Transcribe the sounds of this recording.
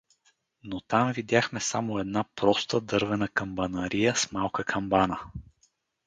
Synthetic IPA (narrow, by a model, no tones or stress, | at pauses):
not̪amvid̪ʲjaxmɛsamoɛd̪napɾɔst̪əd̪ɤɾvɛnəkɐmbɐnɐɾijəsmalˠkəkʰɐmbanə